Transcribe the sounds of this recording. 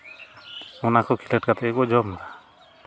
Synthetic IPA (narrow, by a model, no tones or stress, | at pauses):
ɔnakʰɔkʰiləʈkat̪ɛkɔd͡ʒɔmd̪a